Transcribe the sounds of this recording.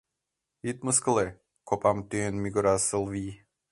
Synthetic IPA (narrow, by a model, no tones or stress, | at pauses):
it̪məskəlˠe | kʰopamt̪yenmʲiɡʊɾasəlˠvi